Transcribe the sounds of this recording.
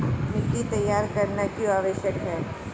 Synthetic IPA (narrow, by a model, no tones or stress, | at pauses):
pnikit̪ɐjːaːɾkɐɾnakjuaːʋəʃjəkɦɛː